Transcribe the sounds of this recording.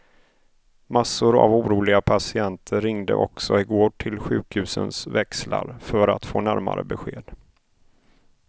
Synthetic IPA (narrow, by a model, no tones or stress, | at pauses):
masːʊɾa̰vuːɾuːlɪɡapʰasɪant̪ʰəɾɪŋd̪əʔɔksɔɪɡoːʈʰɪlɧʉ̟ːkhʉ̟ːsənsvɛksla̰ɾfœɾat̪foːnæɾma̰ɾə̰bɛɧeːd̪̥